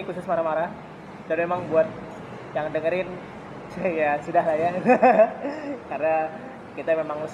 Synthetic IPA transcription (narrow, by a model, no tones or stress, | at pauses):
kusʊsmaɾamaɾa | danmemaŋbuat̪̚ | jaŋdəŋəɾɪn | sajasudaɦlaja | karna | kit̪amemaŋləs